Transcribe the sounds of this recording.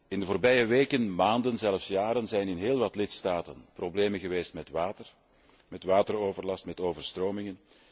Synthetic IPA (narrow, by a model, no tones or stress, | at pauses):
ɪndəvoːrbɛjəʋeːkənmaːndənzɛləfsjaːɾənzɛjnɪnɦeːlˠʋɑtlɪtstaːtə̰nprobleːmənɣəʋeːstmɛtwaːtər | mɛtʋaːtəroːvərlɑstmɛtoːvərstroːmɪŋən